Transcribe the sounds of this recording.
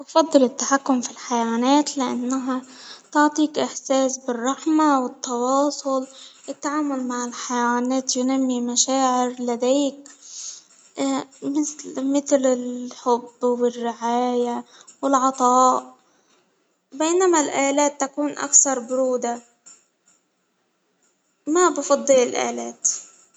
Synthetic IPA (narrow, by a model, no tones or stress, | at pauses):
wɑfɑd̪ˤːɨlɪt̪ːaħakːʊmfilħajawaːnaːt̪lɪʔanːaɦat̪ʊʕt̪ˤiːkʔɪħseːsbɪrˤːɑħmawɪt̪ːɑwɑːsˤʊlʔɪt̪ːaʕaːmʊlmaʕɪlħajawaːnaːt̪jʊnamːimaʃaːʕɪɾlad̪eːk | mɪθlmɪθlɪlħʊbːwɪrːɪʕaːjawɪlʕɑt̪ˤɑːʔ | beːnamalʔaːlaːt̪ːakuːnʔa̰kθɑɾˤbʊɾuːd̪a | mabɪfɑd̪ˤːɨlɪlʔa̰ːlaːt̪